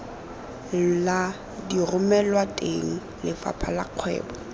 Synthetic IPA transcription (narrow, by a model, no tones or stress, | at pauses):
la | dirʊmɛlwatʼeŋ̩ | lɪfa̰pʰalaq͡χʰwɛ̰ːbɔ